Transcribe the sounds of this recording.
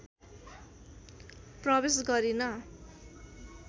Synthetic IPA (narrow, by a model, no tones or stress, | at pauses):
prʌbesɡʌɾinʌ